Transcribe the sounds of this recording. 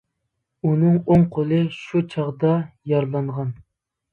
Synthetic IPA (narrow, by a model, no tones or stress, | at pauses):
unɨŋoŋqʰolˠɨʃut͡ʃʰɑʁd̪ɑjɑɾlˠɑɴʁɑn